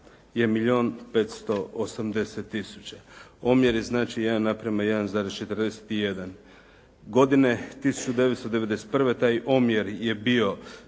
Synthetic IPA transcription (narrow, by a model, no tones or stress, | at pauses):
je̞miʎio̞ːnpet̪st̪o̞osamd̪e̞set̪ːisu̥t͡ɕao̞mjeɾjeznaːt͡ʃijed̪anːapɾemajed̪anzaːɾezt͡ʃe̞t̪ɾd̪ese̥t̪ije̞d̪an | ɡo̞d̪ine̞t̪isu̥t͡ʃud̪e̞ʋet̪st̪od̪eed̪e̞se̥t̪̚pr̩ʋe̞t̪aːjʔo̞mjeɾje̞bio̞